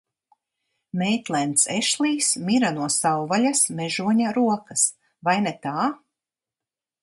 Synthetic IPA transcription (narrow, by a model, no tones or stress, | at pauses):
mɛjt̪lˠɛnt̪sɛʃlˠiːsmiɾanuɔsawvalʲasmɛʒuɔɲaɾuɔkɐs | vajnet̪aː